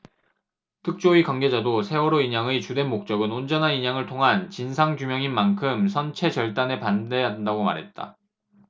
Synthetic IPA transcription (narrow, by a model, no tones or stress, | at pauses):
tʰɯk̚t͡ɕ͈oikwaŋɡe̞d͡ʑadosʰe̞wʌɾoiɲaŋɯt͡ɕude̞nmok̚t͡ɕ͈ʌɡɯnond͡ʑʌnɦaniɲaŋɯɭtʰoŋɦant͡ɕinsʰaŋd͡ʑumjʌŋinmankʰɯmsʰʌnt͡ɕʰe̞t͡ɕʌɭt͈ane̞pande̞adndaɡoma̰ɾɦe̞t̚t͈a̰